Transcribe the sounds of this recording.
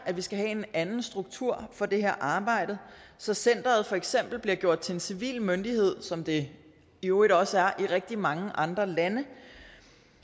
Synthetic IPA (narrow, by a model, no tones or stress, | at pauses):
ʔæʋisɡ̥æɦɛe̝nænn̩sd̥ʁuɡ̥̚t͡sʰuɐ̰fɒ̽d̥e̝heɐ̰ʔɑ̈ːb̥ɑ̈ɪ̰d̥ə | sɒ̽sen̰d̥ɐːð̩ˠfɒ̽eɡ̥sem̰b̥l̩b̥liɐɡ̥jo̝ɐ̰d̥̚t͡sʰe̝e̝nsiʋḭːlmønd̥ihe̝ð̞̰ˠsɒ̽md̥e̝ | ioːiɾ̥ɒ̽səæɐʔiʁeɡ̥̚d̥imɑ̈ŋəʔɑ̈nd̥ʁɐlænə